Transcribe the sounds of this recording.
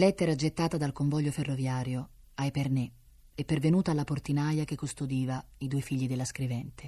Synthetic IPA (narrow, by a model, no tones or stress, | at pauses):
lɛt̪ːeɾad͡ʒet̪ːaːt̪ad̪alkoɱvɔʎːoferːovjaːɾjo | ajperne | ɛpːervenuːt̪aːlːaport̪inajak̟ekːost̪od̪iːva | id̪uːefiʎːid̪elːaskɾivɛnt̪e